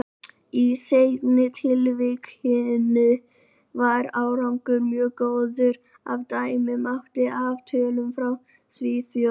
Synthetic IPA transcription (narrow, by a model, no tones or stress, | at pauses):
isejt̪nɪt̪ʰɪlvɪkhɪnɪ | vaɾaːwɾawŋkʏɾmjœːɣkowðʏɾ | a̰vt̪aːjmɪmawht̪ɪʔaːvt̪ʰœːlʏmfɾaw | sviːθ